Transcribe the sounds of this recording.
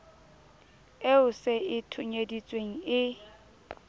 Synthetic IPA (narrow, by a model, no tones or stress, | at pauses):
eʊseʔɪtʰʊɲedit͡sʼweŋ̩ɪ